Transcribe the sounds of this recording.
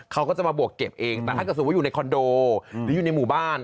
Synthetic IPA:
kʰa˦˥wkɔː˥˩t͡ɕa˨˩maː˧bu˨˩əkːe˨˩p̚ʔeː˧ŋt̪ɛ˨˩a˥˩k̚ːsa˥˨uː˨˩na˧jkʰɔ˧ndoː˧ɯː˨˦juː˨˩na˧jmuː˨˩baː˥˩n

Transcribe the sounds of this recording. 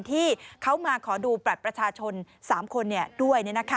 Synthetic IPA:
nt̪ʰiː˥˩kʰa˦˥wmaː˧kʰɔː˩˦duː˧pɾa˨˩t̪̚pɾa˧t͡ɕʰaː˧t͡ɕʰo˧n | saː˩˦mkʰo˧nːi˥˩ɐdu˥˩əjni˥˩na˦˥kʰa˦

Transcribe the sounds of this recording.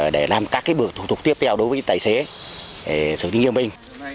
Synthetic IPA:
ɗe˧˩laː˨˩mkaː˦˥kːaː˨˦jɓɨ˨˩ək̚t̪u˨˧˩ʊ˨˩k͡p̚t̪i˦˥əp̚t̪ʰɛ˧wɗo˨˦jvəː˨˦jt̪aː˧˨jse˨˦ | ɗe˧˩sɨ˧˩ɗï˨˦ŋi˨˧əmɓï˨˩ŋ̟

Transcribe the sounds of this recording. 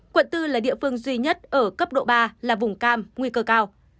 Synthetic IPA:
kwə̰˧˨nt̪ɨ˧laː˨˩ɗḭ˧˨əfɨ˧əŋzwi˧ɲə˦˥t̚ʔəː˧˩kə˦˥p̚ɗo̰˧˨ɓaː˧laː˨˩vʊ˨˩ŋ͡mkaː˧mŋwi˧kəː˧kaː˧w

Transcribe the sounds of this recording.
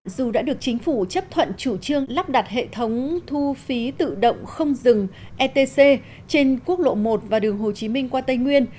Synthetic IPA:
zu˨˩ɗa̰ː˧˥ɗɨ˨˩ək̚t͡ɕï˨˦ŋ̟fu˧˩t͡ɕə˦˥p̚t̪ʰwə̰˧˨nt͡ɕu˧˩t͡ɕɨ˧əŋla˦˥p̚ɗa˨˩t̚ɦḛ˧˨t̪ʰə˨˦wŋ͡mt̪ʰu˧fi˨˦t̪ɨ̰˧˨ɗə̰˧˨wŋ͡mxə˧wŋ͡mzɨ˨˩ŋ | ʔɛ˧t̪e˧se˧ | t͡ɕe˧nku˦˥ək̚lo̰˧˨mo˨˩t̚vaː˨˩ɗɨ˨˩əŋɦo˨˩t͡ɕi˨˦mï˧ŋ̟kwaː˧t̪ə˧jŋwi˧ən

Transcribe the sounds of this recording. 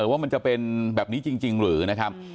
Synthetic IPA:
kaː˨˦mi˧˨˩nt͡ɕɔ˧pe˧nɓɛː˨˩p̚ni˨˦t͡ɕi˧ŋt͡ɕi˧ŋlɨ̰˧˩˦na˨˦˥kʰaː˦˥m̚

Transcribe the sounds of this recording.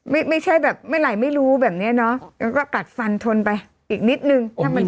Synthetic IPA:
ma˥˩jma˥˩jt͡ɕʰa˥˩jbɛː˨˩p̚ma˥˩jla˨˧˩jma˥˩jɾuː˦˥bɛː˨˩p̚ni˦˥ɐnɔ˦˥ŋa˧kɔː˥˩ka˨˩t̪̚fa˧nt̪ʰo˧npa˧j | ʔiː˨˩k̚ni˦˥t̪̚nɯ˧ŋʰa˥˩ma˧n

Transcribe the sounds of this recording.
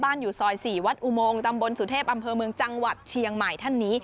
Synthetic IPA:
baː˥˩njuː˨˩sɔː˨˩jsiː˨˩wa˦˥t̪̚ʔu˧˩moː˧ŋt̪a˧mbo˧nsu˨˩˦t̪ʰeː˥˩p̚ʔa˧mpʰɤː˧mɯ˧əŋt͡ɕa˧ŋwa˨˩t̪̚t͡ɕʰi˧əŋma˨˩jt̪ʰa˥˩nːiː˦˥

